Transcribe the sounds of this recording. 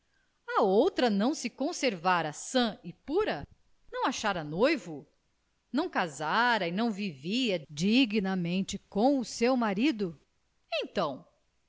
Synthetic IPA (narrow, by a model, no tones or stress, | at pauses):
ɐowt̪ɾɐnɐ̃w̃sɪkõseɾvaɾɐsɐ̃ɪpuɾɐ | nɐ̃w̃aʃaɾɐnojvʊ | nɐ̃w̃kazaɾɐɪnɐ̃w̃viviɐd͡ʒiɡinɐmẽnt͡ʃɪkõw̃ʊsewmaɾid̪ʊ | ẽj̃t̪ɐ̃w̃